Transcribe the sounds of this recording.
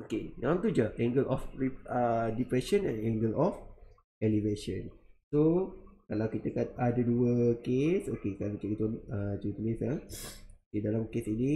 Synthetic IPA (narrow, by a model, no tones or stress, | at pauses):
okenaãnt̪ud͡ʒaʔɛ̃ŋɡəlʔɔfɾiədipɾɛʃənɛ̰̃nɛ̃ŋɡəlɔf | ʔɛliveʃə̰̃nsokalawkit̪əkat̪̚adəduəkeso̰kekanat͡ʃɛkt̪ɔnət̪uit̪unisaokedalamkesini